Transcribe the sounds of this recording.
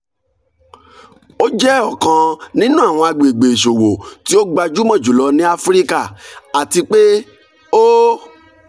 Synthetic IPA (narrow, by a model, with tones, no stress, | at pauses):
o˦d͡ʒɛ˦ɔ˦˨kã˨˧nĩ˦nũ˦a˦˨w̃ɔ̃˧a˧ɡ͡be˨ɡ͡be˨ʃo˨wo˨ti˦o˦ɡ͡ba˧d͡ʒu˦mɔ̃˦˨d͡ʒu˨lɔ˧˦nĩ˦a˦fɾi˦ka˦˨a˨ti˧k͡pe˦ | o˦